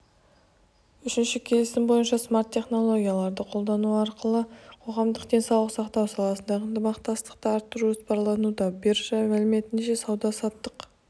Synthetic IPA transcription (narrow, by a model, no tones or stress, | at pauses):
ʏʃɪnʃɪkʲʰe̞lɪsɪmbo̞jənʃɑsmaɾt̪ʰʲːe̞χno̞lˠo̞ɡʲijalˠɑɾd̪əqʰo̞lˠd̪ɑnuɑɾqəlˠəqʰo̞ʁɑmd̪əqd̪e̞nsɑwlˠəqsɑqt̪ɑwsɑlˠɑsənd̪ɑʁənt̪əmɑqt̪ɑst̪ə̥qt̪əɑɾt̪ːəɾuʒospɑɾlˠɑnud̪ɑbeɾʒɑmælɪme̞t̪ɪnʃe̞sɑwd̪ɑsɑt̪ːəq